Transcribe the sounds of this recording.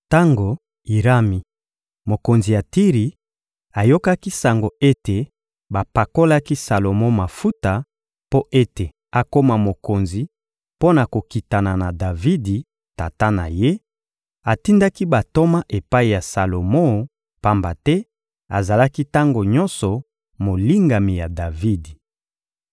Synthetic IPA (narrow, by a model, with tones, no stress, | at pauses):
ta˦ŋɡo˨ | i˨ʁa˦mi˨ | mo˨ko˨nzi˨ja˨ti˦ʁi˨ | a˨jo˦ka˦ki˦sa˨ŋɡo˨e˦te˨ | ba˨pa˨ko˦la˦ki˦sa˨lo˨mo˦ma˨fu˦ta˨ | po˦e˦te˨ | a˨ko˦ma˨mo˨ko˨nzi˨ | po˦na˨ko˨ki˨ta˨na˨na˨da˨vi˦di˨ | ta˨ta˦na̰˨je˦ | a˨ti˦nda˦ki˦ba˨to˦ma˦ʔe˨pa˦i˨ja˨sa˨lo˨mɔ˦˨ | pa˦mba˨tɛ˦ | a˨za˨la˦ki˦ta˦ŋɡo˨ɲɔ̃˦nsɔ˨ | mo˨li˦ŋɡa˨mi˨ja˨da˨vi˦di˨